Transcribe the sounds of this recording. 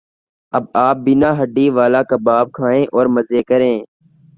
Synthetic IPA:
əb̚aːp̚bɪnaːɦəɖːiːʋaːlaːkaːbaːb̚kʰaːẽːʔɔːɾməzeːkəɾẽː

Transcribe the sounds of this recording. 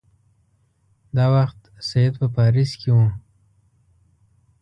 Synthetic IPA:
d̪ɑwaxt̪ | sajed̪pəpɑɾiskewu

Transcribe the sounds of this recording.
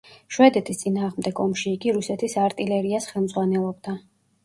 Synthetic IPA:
ʃwɛd̪ɛt̪ʰist̪sʼinaːʁmd̪ɛɡɔmʃiːɡiɾusɛt̪ʰisaɾt̪ʼilɛɾiasχɛlˠmdzʁwanɛlˠɔbd̪a

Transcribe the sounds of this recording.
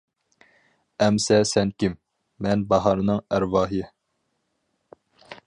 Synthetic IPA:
ɛmsɛsɛnkʲimː | ɛnbɑɦɑɾɨnɨŋæɾwɑːɦije

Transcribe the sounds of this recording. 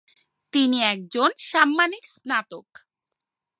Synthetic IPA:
t̪iniɛk̚d͡ʑonʃamːaniksnat̪ok

